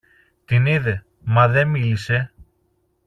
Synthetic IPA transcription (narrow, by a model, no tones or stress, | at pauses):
t̪iniðe̞ | mɐðe̞milise̞